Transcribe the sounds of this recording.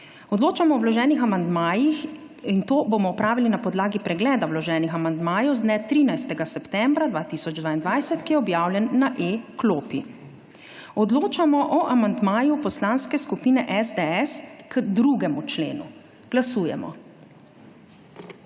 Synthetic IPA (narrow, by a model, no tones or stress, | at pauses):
ɔd̪loːt͡ʃamɔɔwlɔʒɛːnixamand̪maːjix | int̪oːboːmɔːpɾaːʋilinapɔd̪laːɡipɾɛɡlɛːd̪awlɔʒɛːnixamand̪maːjɛwzd̪nɛt̪ɾiːnajst̪ɛɡasɛpt̪ɛmbɾad̪vʋaːt̪isɔd͡ʒd̪vaind̪ʋajsɛt̪kijɛɔbjaːwlʲjɛnːaʔekloːpi | ɔd̪loːt͡ʃamɔʔɔʔamand̪maːjupɔslaːnskɛskupiːnɛʔɛzd̪eɛskəd̪ɾuɡɛmut͡ʃlḛːnṵ | ɡ̥lasuːjɛ̰mɔ̰